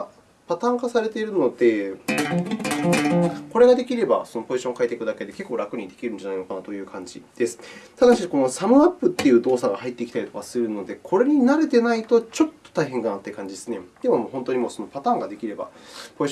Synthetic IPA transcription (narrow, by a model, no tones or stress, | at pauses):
pat̪ãŋkasaɾe̞t̪e̞ɾɯ̟no̞d̪e̞ | ko̞ɾe̞ɡad̪e̞kʲiɾe̞ba̰so̞no̞po̞ʑiɕõ̞ŋkaet̪e̞kɯ̟d̪ake̞d̪e̞ke̞kːo̞ːɾakɯ̟ɾʲĩd̪e̞kʲiɾɯ̟̃ɲ̟d͡ʑanaino̞kanat̪o̞jɯ̟ːkʰãɲ̟d͡ʑḭd̪̥e̞sɨ̥t̪ad̪aɕiko̞no̞samɯ̟apːɯ̟t̪ːe̞jɯ̟ːd̪o̞ːsaɡahait̪ːe̞ikʲit̪aɾʲit̪okasɨɾɯ̟no̞d̪e̞kʰo̞ɾe̞ɲ̟inaɾe̞t̪e̞nait̪o̞t͡ɕo̞t̪ːo̥t̪aiɦẽ̞ŋkanat̪ːekãɲ̟d͡ʑid̪esɨne̞d̪̥e̞momoːɦõ̞nt̪o̞ɲ̟imo̞so̞no̞pat̪ãːŋɡad̪e̞kʲiɾe̞ba̰po̞iɕ